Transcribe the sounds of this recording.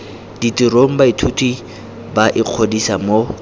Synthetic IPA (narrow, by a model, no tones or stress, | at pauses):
ditiroŋ̩baitʰutʰi | baʔɪq͡χʰodisamo